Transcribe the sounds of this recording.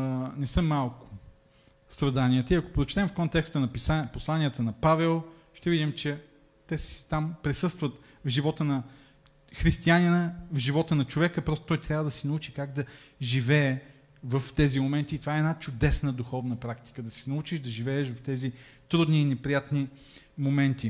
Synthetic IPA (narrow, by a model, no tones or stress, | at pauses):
nɛsɤmːalˠkʊ̥ | st̪ɾɐd̪aniət̪əiɐko̥pɾot͡ʃt̪ɛmfkont̪ɛkst̪ənɐpisaposlˠanʲiət̪ənɐpavɛlˠ | ʃt̪ɛvid̪imt͡ʃɛ | t̪ɛsst̪ampɾɛsɤst̪vət̪ | vʒivɔt̪ənɐ | xɾist̪ianinəvʒivɔt̪ənɐt͡ʃovɛkəpɾɔst̪o̥t̪ɔjt̪ɾʲavəd̪ɐsɛnɐut͡ʃikaɡd̪ɐʒivɛː | vəft̪ɛzimomɛnt̪iːt̪ovaɛnat͡ʃʊd̪ɛsnəd̪uxɔvnəpɾakt̪i̥kəd̪ɐsɛnɐut͡ʃiʃd̪ɐʒivɛːʃvɐft̪ɛzit̪ɾud̪niːnɛpɾijat̪ni | momɛnt̪i